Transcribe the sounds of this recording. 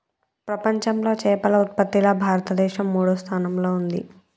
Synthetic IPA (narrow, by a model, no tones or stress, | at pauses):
pɾɐpɐɲt͡ʃɐmlo̞ːt͡ʃɛːpɐlɐut̪̚pɐt̪ːilɐbʱaːɾɐt̪ɐd̪ɛːʃɐmːuːɽust̪ʰaːnɐmlo̞ːund̪ḭ